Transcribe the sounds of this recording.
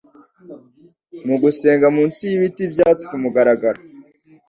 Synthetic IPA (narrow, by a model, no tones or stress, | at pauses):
muɡuse̞ːŋɡamuːnsijiβitibjaːt͡si̥kumuɡaɾaɡaɾa